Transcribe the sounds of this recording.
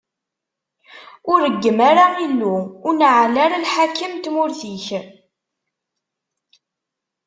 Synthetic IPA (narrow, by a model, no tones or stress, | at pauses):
ʊɾəɡːəmaɾailːuːnʕlaɾalħakːəmt̪mʊɾθiç